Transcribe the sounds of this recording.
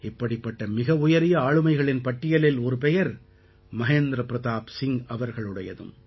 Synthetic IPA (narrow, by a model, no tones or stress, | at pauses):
ɪpːɐɽɪpːɐʈːɐmɪɣɐʊjɐɾɪjɐaːɻɯmɐɪɣɐɭɪnpɐʈːɪjɐlɪlɔɾɯpɛjɐɾ | mɐɦeːnd̪ɾɐpɪɾɐðaːpsɪŋɐʋɐɾɣɐɭɯɽɐjɐðɯ̰m